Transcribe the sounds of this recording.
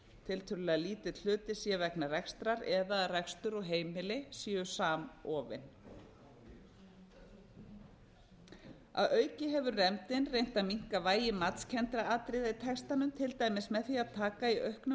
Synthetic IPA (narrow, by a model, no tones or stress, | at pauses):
t̪ʰɪlt̪ʰʏɾʏlɪaliːt̪ɪl̥ʏːt̪ɪsiːavɛknarɛkst̪ɾaɾɛðarɛkst̪ʏɾɔɣɦeːjmɪlɪsiːjʏsaːmɔːvɪ̰n | a̰ðœːɥcɪɦɛvʏrrɛmt̪ɪnrejn̥t̪amiŋ̥kavaːjɪmat̪scʰɛnt̪ɾaaːt̪ɾɪðait̪ʰɛkst̪anʏmt̪ʰɪlt̪aːjmɪsmɛðθiaðt̪ʰaːkaiʔœhknʏ